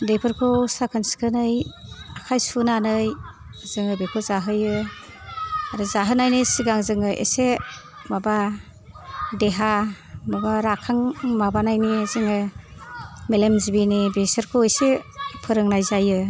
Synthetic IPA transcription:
depʰɯɾkʰɔsakʰansi̥kʰɯnɯjakʰajsunanɯj | z̥ɯŋɯbekʰɯzaɦɯjɯ | aɾɯzaɦɯnajnisiɡaŋzɯŋɯʔḛse | maba | deɦa | mabaɾakʰaŋmabanajnizɯŋɯ | melemzibinibesɯɾkʰowesepʰɯɾɯŋnajzajɯ

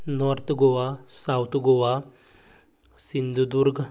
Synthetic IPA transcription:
nɔɾt̪ʰɡoʋasawt̪ʰɡoʋa | sind̪ud̪uɾɡ

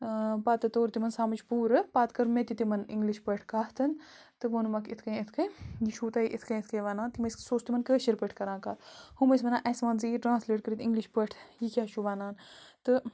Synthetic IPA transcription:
paːt̪ɨt̪oːɾt̪imɐnsaːmɐt͡ʃʰpuːɾɨpaːt̪kɐɾmet̪it̪imɐnḭŋɡliʃpəʈʰkaːht̪ʰɐn | t̪ɨʋoːnumɐkit̪ʰkɐ̃jit̪ʰkɐjjiʃʰuːt̪aːiʔit̪ʰkɐjit̪ʰkɐ̃jʋaːnaːnt̪imɐssoːst̪imɐnkəːʃiɾpəʈʰkɐɾãːkaːhumɐsmɐnãːʔɐsmaːnzɨjiʈɾãːnsleːʈ̚kəɾit̪iŋɡliʃpəʈʰjikʲaːt͡ʃʰuʋaːnaːnt̪ɨ

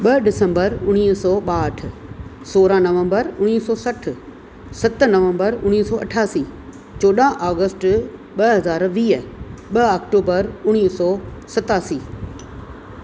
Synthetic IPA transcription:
ɓɐɗɪsə̃mbəɾʊɽ̃iːɦsɔːɓaːəʈ̆ʰ | soːɾanɐʋə̃mbəɾʊɽ̃iːsɔːsɐʈʰ | sɐt̪nɐʋə̃mbəɾʊɽ̃iːsɔːɐ̰ʈʰaːsiː | t͡ɕoːɗaːʔaːɡəsʈ | ɓɐɦɐzaːɾʋiːɦəɓɐakʈoːbəɾʊɽ̃iːsɔːsɐt̪aːsiː

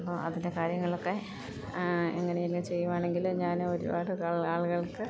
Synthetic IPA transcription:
pːoːɐðinde̞kaːɾjɐŋːɐɭo̞kːe̞ | ḛŋːɐnejilkɨt͡ɕe̞jːuʋaːɳe̞ŋɡilɲaːnoɾṵbaːɽɨaːɭaːɭɣɐɭkːɨ

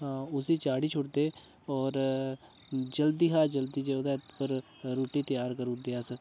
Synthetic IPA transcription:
ɦãːʊsiːt͡ʃaːɽiːt͡ʃʰʊʈd̪eː | ɔːɾ | d͡ʒəld̪iːɦaːd͡ʒəld̪iːd͡ʒeːʊd̪aːt̪pəɾ | ɾoːʈiːt̪əjaːɾkəɾuːd̪eaːsə

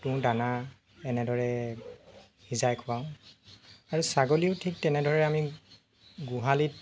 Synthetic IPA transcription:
tʊ̃dana | ɛnɛdɔɹɛ | hizajkʰʊaʊ̃ | aɹusaɡoliʊtʰik̚tɛnɛdʱɔɹɛami | ɡuɦalit̚

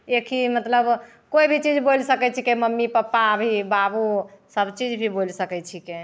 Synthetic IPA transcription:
ekʰimət̪ləb | koibʱit͡ʃid͡ʒbolsəkɛt͡ʃʰikeməmːipəpːabʱibabusəbt͡ʃid͡ʒbʱibolsəkɛt͡ʃʰike

